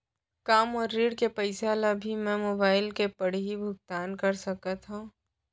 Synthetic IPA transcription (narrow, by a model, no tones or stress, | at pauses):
kaːmɔːɾːiːɽkepɐɪsaːlabʱimɛ̃moːbaːɪlkepɐɽ̤ɦibʱʊɡ̚t̪aːnkɐɾsɐkət̪ɦũː